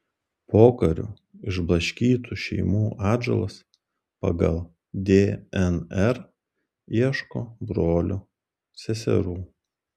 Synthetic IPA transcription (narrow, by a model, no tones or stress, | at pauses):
poːkɐɾʲʊ̰ | ɪʒblˠɐʃʲkʲiːt̪ʰuːʃʲɛ̰ɪmuːʔɑːd͡ʒʲɛ̰lˠɐs | pɐ̰ɡɐlˠ | d̪ʲeːɛnɛɾ | iɛʃkoːbɾoːlʲʊ | sʲɛsʲɛ̰ɾuː